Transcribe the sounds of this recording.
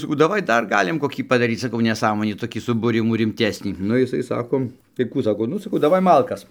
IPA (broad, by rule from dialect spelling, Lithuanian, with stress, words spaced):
sɐˈkɐʊ dɐˈʋɐɪ ˈdɐr ˈɡɑːlʲɪm koːˈkʲiː pɐdɐˈrʲiːt͡s sɐˈkɐʊ nʲɛˈsɑːmoːnʲiː toːˈkʲiː sʊbuːˈrʲɪmuː rʲɪmʲˈtʲæːsʲnʲiː ˈnʊ jɪˈsɐɪ ˈsɑːkoː tɐɪ ˈkuː ˈsɑːkoː ˈnʊ sɐˈkɐʊ dɐˈʋɐɪ ˈmɐlˠkɐs